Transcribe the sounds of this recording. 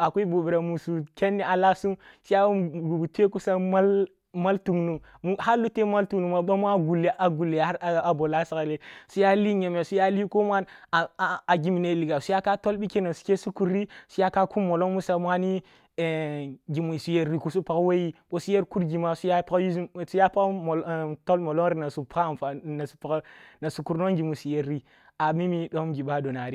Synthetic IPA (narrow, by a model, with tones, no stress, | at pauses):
a˨ke˦bu˨bi˨ɾa˨mu˨su˨kʲe˦nːi˦a˨la˦su˦su˦ja˦˨ɡu˨bu˨te˦ku˦sa˦ma˦l | ma˦ltu˨knu˨ | mu˦ha˦lːu˦te˦ma˦ltu˨knu˨ma˨ɓa˦mu˦a˦ɡu˨lːe˨ʔa˨ɡu˨lːe˨a˦ɾa˨bo˨la˦sa˨ka˨le˦su˦ja˦li˦ɲe˨me˨su˦ja˦li˦ko˦m˦a˦n˨ | a˨ɡi˦mi˨ne˦˨li˨ɡa˨su˦ja˦ka˦to˦lɓi˦ke˦na˨su̥˨˦ke˦su˦ku˨ɾi˦su˦ja˦ka˦ku˦mːo˨lo˦ŋmu˦sa˨mʷ˦a˦ni˦˨ | ɡi˨mu˨su˨je˨ɾɾi˨ku˦su˦pa˨kwe˦ji˦ɓo˦su˦je˦ɾku˦ɾɡi˨ma˦su˦ja˦pa˦ji˦˨su˦ja˦pa˦kto˦lmo˨lo˦ŋɾi˦na˨su˨pa˦˨n˨fa˨na˨su̥˨pa˨kna˨su˨ku˨ɾno˦ŋɡi˨mu˨su˨je˨ɾːi˦ | a˨mi˦mi˦ɗo˦mɡi˨ɓa˦do˨na˨ɾi˦